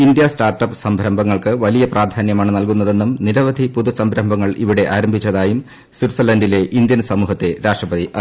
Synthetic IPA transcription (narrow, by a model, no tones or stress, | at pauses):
ind̪jɐsʈaːrʈɐpɨ̥sɐmbʱɾɐmbʱɐŋːɐɭkɨʋɐlijɐpraːd̪ʱaːnjɐmaːɳɨnɐlkunːɐðe̞nːumniɾɐʋɐd̪ʱipuðusɐmbʱɾɐmbʱɐŋːɐɭḭʋiɽe̞ʔaːɾɐmbʱit͡ɕːɐðaːjum | swiɾsɐlɐndile̞ʔind̪jɐnsɐmuːɦɐt̪ːeɾaːʂʈrɐbɐðiʔɐ